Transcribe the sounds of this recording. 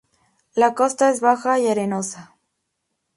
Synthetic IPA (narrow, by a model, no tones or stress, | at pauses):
lakost̪aesβaxaiaɾenosa